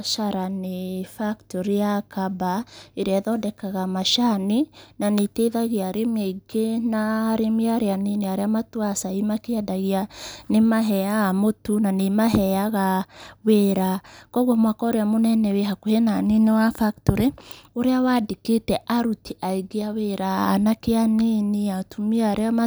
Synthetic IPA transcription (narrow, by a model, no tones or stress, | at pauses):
ʃaɾanefaktoɾejakabaeɾɛðɔdɛkaɣamaʃaninaneteðaɣeaɾemeɡenaɾemiaɾeaneneaɾeamatwasaimakeadaɣianemaɦɛaːmotunanemaɦɛaɣaweɾakɔɣwɔmwakɔɾeamonɛnɛweɦakohenanenewafaktoɾeoɾeawadeketɛʔaɾutiʔaiɡeaweɾa̰ːnakeaniniatumiaaɾeama